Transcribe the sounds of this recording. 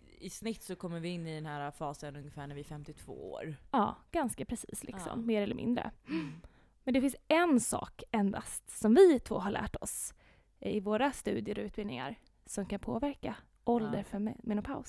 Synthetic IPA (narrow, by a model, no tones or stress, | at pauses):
ɪsnɪt̪ːsɔkʰɔmːəɾvɪɪnːɪd̪ɛnɦæːɾafɑːsənɵŋəfæːɳæɾvɪfɛmt̪ɪt̪ʰv̥o̰ːo̰ːɾɑːɡ̥anskapʰɾɛsiːslɪksɔ̰mːeːɾɛlːəɾmɪ̰nd̪ɾə̰ | mɛnd̪ɛfɪnsɛnsɑ̰ːkɛnd̪a̰st̪sɔmvɪt̪ʰvo̰ːɦaɭæ̰ːʈɔs | ɪvoːɾast̪ʉ̟ːd̪ɪəɾɔʉ̟ːt̪̚bɪlnɪŋa̰ɾ | sɔmkʰanpʰoːvæɾka | ʔɔld̪əɾfœɾmɛnʊpʰaʊs